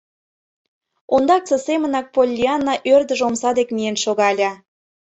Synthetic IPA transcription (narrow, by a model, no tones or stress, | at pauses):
ond̪ɑk̚t͡sə̆semə̆nɑk̚polʲːiɑnːɑʔørd̪ə̆ʒomsɑd̪ekmienʃoɣɑlʲɑ